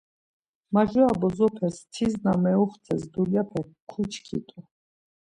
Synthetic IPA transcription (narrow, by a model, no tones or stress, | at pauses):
maʒɔabɔzɔpʰɛst̪ʰiznamɛuχt̪t͡s̪ʰɛsd̪uljapʰɛkʰut͡ʃʰkʰḭt̪ʼu